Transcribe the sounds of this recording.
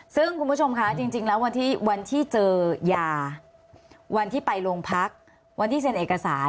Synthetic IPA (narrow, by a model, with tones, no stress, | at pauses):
sɯ˥˩ŋkʰu˧nbu˦˥˩o˧mkʰa˦˥t͡ɕi˧ŋt͡ɕi˧ŋlɛː˦˥wa˧nt̪ʰiː˥˩wa˧nt̪ʰiː˥˩t͡ɕɤː˧jaː˧ | wa˧nt̪ʰiː˥˩pa˧jlo˧ŋpʰa˦˥k̚ | wa˧nt̪ʰiː˥˩pe˧nʔeː˨˩ka˧sa̰ː˩˦n